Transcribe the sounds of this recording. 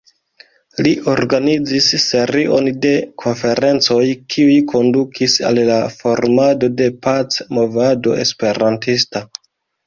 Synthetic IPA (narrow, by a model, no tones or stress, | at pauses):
liʔo̞ɾɡanid͡zisːe̞ɾiʔo̞̰nde̞kʰo̞nfe̞ɾe̞nt͡so̞jkʰiujkʰo̞ndukʰisa̰lːafo̞ɾmado̞de̞pat͡smo̞vado̞̰e̞̰spe̞ɾantista